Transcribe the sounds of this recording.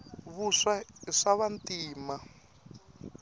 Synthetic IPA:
βuʂaiʂaβantiːma

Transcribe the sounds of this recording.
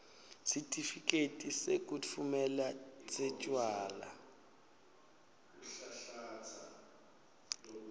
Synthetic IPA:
sitʰʼifikʼetʼisekʼut͡fʰumɛlat͡sʼɛt͡ʃʼwaːla

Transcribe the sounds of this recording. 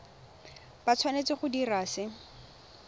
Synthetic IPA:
bat͡sʰwanet͡sɪχʊdiraːsɪ

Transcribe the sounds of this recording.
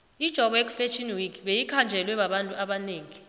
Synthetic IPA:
id̥ʒ̥ʱɔɓɔek̬ʼu̥fet͡ʃʰʼinwikʰʼɓejikʰand͡ʒʱɛlwɛɓaɓantʼuʔaɓaneːŋi

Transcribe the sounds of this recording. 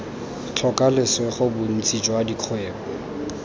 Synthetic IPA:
t͡ɬʰɔkʼalɪsweχʊbʊn̩t͡sʼit͡ʃʼɔadikʰweːbɔ

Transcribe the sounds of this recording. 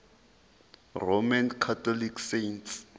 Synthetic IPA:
romankʰatʰɔliksejnts

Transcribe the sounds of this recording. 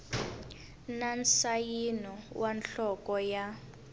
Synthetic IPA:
nansajinɔwʔanɬɔkɔja

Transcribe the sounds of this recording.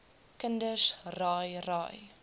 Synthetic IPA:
kəndəsrɑːjrɑ̰ːj

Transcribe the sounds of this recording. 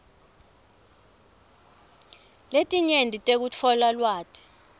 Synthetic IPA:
letʼiɲendʱʼitʼek̬ut͡fʰɔlalwaːtʰʼɛ̥

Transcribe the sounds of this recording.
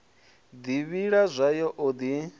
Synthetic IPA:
d̪iβiɺazʷajɔʔod̪i

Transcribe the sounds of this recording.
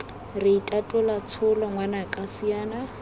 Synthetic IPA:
rɪitʼatʼʊlat͡sʰʊlɔŋwanakʼasiaːna

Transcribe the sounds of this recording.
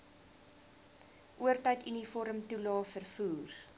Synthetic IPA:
ʔuərtœjtinifɔɾəmtulɑːfərfuːr

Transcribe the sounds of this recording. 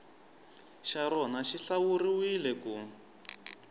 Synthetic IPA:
ʃaɾɔnaʃiɬawuriwilɛkuː

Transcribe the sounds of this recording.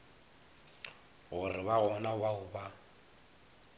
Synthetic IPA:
ɣʊrɪβaɣɔnawaʊba

